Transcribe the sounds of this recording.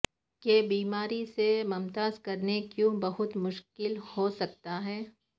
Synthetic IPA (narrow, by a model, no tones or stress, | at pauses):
kebiːmaːɾisemɐmt̪aːzkɐɾnekjũbɐɦʊt̪mʊʃkɪlhoːsɐk̚t̪aɦɛː